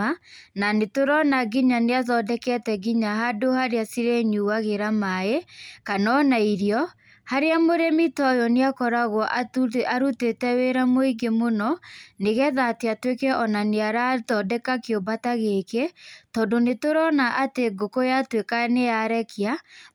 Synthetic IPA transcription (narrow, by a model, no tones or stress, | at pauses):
ananetoɾɔnaɡiɲaneaðɔdɛkɛtɛɡiɲaɦadohaɾeasiɾeɲuwaɣeɾamaekanɔnaiɾiɔ | haɾeamoɾemitɔjɔneakɔɾaɣwɔʔaaɾutetɛweɾamoiɡemonɔneɣɛðateatwekɛʔɔnaneaɾatɔdɛkakeobataɣeketɔːndonetoɾɔnaʔateɡokojatwekanejaɾɛkja